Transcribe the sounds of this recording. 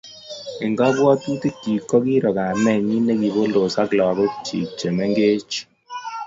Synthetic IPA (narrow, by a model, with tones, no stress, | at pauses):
ɪ˨ŋɡɔ˦bwɔ˦tu˦ti˦ki˨kːɔ˦ki˦ɾɔ˨ka˨nɛ˨ɲi˦ne˦ki˨bo˦lo˨sa˦klɔ˨a˨ɡo˦t͡ʃḭ˨t͡ʃːe˨me˦ŋɡe˦t͡ʃ